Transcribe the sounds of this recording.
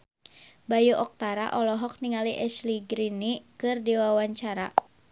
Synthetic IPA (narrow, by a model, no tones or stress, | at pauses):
bajuʔɔk̚t̪aɾa̰ʔɔlɔɦɔk̚niŋaliʔɛsliɡɾinikɨrdiwawaɲt͡ʃaɾa